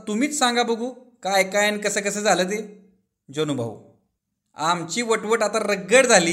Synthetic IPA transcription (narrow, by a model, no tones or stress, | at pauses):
t̪um̤iːt͡ssãŋɡabəɡʱuːkajkajankəsəːkəsəːd͡zʱaləːt̪̬e | d͡ʑonubʱa̰ʋ | amt͡ɕiːʋəʈʋəʈat̪aɾəɡːəɽd͡zʱaliː